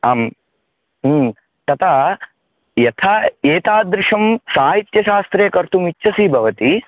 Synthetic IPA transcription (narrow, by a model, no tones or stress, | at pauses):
aːm | t̪ɐt̪ʰa | jɐt̪ʰaeːt̪aːd̪ɾɪʂɐmsaːɦit̪jɐʃaːst̪ɾeːkɐɾt̪umit͡ʃːʃʰɐsiːbʱɐʋɐt̪i